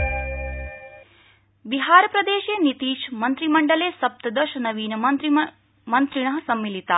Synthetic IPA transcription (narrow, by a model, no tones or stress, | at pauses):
biɦaːɾɐpɾɐd̪eːʃeːnit̪iːʃmɐnt̪ɾimɐɳɖɐleːsɐp̚t̪ɐd̪ɐʃɐnɐʋiːnɐɾ | mɐnt̪ɾiɳɐɦɐsɐmːilit̪a